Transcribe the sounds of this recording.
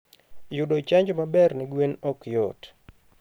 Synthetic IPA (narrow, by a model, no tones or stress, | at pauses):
jʊdɔt͡ʃaɲd͡ʒmabɛrnɪɡwenɔkjɔ̰t